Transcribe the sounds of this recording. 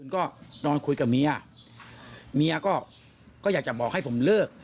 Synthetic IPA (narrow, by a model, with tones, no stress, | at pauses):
ɯ˧nkɔː˥˩nɔː˧nkʰu˧jka˨˩mi˧a˧ | mi˧a˧kɔː˥˩ | kɔː˥˩aː˨˩k̚t͡ɕa˨˩bɔː˨˩ha˥˩jpʰo˩˦mlɤː˥˩k̚